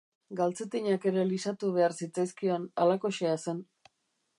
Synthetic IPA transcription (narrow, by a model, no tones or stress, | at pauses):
ɡalt͡se̞t̪iɲake̞ɾe̞lisat̪uβ̞e̞aɾsit͡sajskio̞nalako̞ʃease̞n